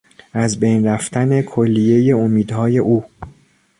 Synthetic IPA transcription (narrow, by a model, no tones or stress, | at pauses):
ʔæzbe̞jnræft̪ʰæne̞kʰolːije̞je̞omiːd̪hɒːje̞ʔuː